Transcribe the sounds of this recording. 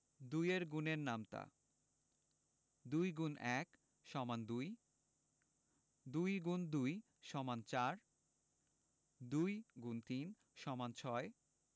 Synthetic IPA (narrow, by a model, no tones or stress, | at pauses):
d̪ujeɾɡuneɾnamt̪a̰ | d̪ujɡunɛk | ʃɔmand̪uj | d̪ujɡund̪uj | ʃɔmant͡ɕaɾ | d̪ujɡunt̪in | ʃɔmant͡ɕʰɔe